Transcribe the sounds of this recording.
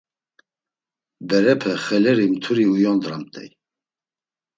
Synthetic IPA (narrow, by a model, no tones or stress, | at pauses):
bɛɾɛpʰɛχɛlɛɾimt̪ʰuɾiujɔnd̪ɾamt̪ʰʼɛ̰j